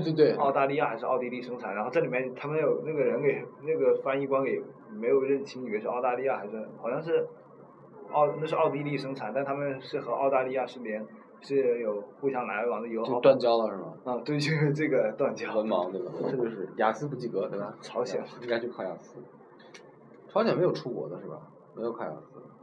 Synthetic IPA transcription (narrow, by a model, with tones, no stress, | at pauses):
t̪we˥˧ɪt̪we˥˩ɪɑ˥ʊt̪a˥˧li˥˧ja˥˩xa˧˥ɪʂɻ̩˧ɑ˥˧ʊt̪i˥li˥˩ʂɤ˥ŋʈ͡ʂʰnɻa˧˥xo˥˧t͡sa˥˩li˨˩mɛ˥˩n˩t̪ʰa˥mə˨njo˨˩ʊna˥˩ɡə˩ɻə˧˥nke˨˩ɪna˥˩ɡə˩fa˥ni˥˩kwa˥nke˨˧˩ɪ˨˩ | me˧˥ɪjo˨˩ʊɻə˥˩nt͡ɕʰi˥ŋni˨˩ɛ˧˥ʂ̩˥˧ɑ˥˧ʊt̪a˥˧li˥˧ja˥˩xa˧˥ɪʂ̩˥˩xɑ˨˩ʊɕjɑ˥˧ŋʂ̬ɻ̩˥˩ | ɑ˥˧˩ʊna˥˧ʂɻ̩˥˧ʔɑ˥˩ʊt̪̬i˥li˥˩ʂɤ˥ŋʈ͡ʂʰnt̪a˥˧˥t̪ʰa˥mə˨˧nʂɻ̩˥˩xɤ˧˥ʔɑ˥˧ʊt̪a˥˧li˥˧ja˥˧ʂɻ̩˥˩mjɛ˧˥n | ʂɻ̩˥˩jo˨˩ʊxu˥˩ɕjɑ˥ŋla˧˥ɪwɑ˨˩ŋd̪ə˧jo˧˥ʊ˥o˥ʊt̪wa˥˧nt͡ɕjɑ˥ʊlə˨ʂɻ̩˥˩mɐ˩ə˥˧t̪we˥˧ɪt͡ɕʰy˥ʈ͡ʂɤ˥˩ɡə˩t̪wa˥˩nt͡ɕjɑ˥wə˧˥nmɑ˧˥ŋt̪we˥˩ba˨˩˥ʈ͡ʂ̩˥˧˩t͡ɕjo˥˧ʊʂɻ̩˥˩ja̰˨˩sɹ̩˥p̬u˧˥t͡ɕi˥˩kɤ˧˥t̪we˥˩ɪbɐ˩ʈ͡ʂʰɑ˧˥ʊɕjɛ̰˨˩˦ni˥ŋka˥ɪt͡ɕjo˥˧ʊkʰɑ˥˩ʊja̰˥˩sɹ̩˥ | ʈ͡ʂʰɑ˥ɕjɛ˨nme˧˥ɪjo˨˩ʊʈ͡ʂʰu˥kwɔ̰˨˧˥d̪ə˦ʂɻ̩˥˩bɐ̰˩ | me˧˥jo˨˩ʊkʰɑ˥˩ja̰˥˩sɹ̩˥